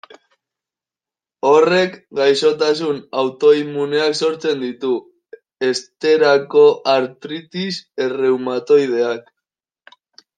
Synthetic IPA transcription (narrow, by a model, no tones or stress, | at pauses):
o̞re̞kɡajso̞t̪asunawt̪o̞imune̞akso̞ɾt͡se̞nd̪it̪u | e̞st̪e̞ɾako̞ʔaɾt̪ɾit̪ise̞re̞wmat̪o̞jð̞e̞ak